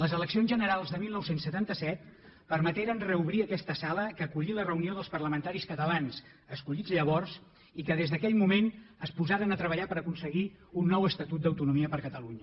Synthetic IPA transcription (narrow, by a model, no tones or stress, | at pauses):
ləzələksionzʒənəɾalˠzðəmilˠnɔwsensːət̪ant̪əsɛt̪ | pəɾmət̪eɾənrəuβɾiəkɛst̪əsaləkəːkuʎilərəunioðəlˠspərləmənt̪aɾiskət̪əlans | əskuʎid͡zʎəβɔrz | ikəðezðəkɛʎmumenəspuzaɾənət̪ɾəβəʎapəɾəkunsəɣi | unːɔwəst̪ət̪ut̪̚əwt̪unumiəpəɾkət̪əluɲə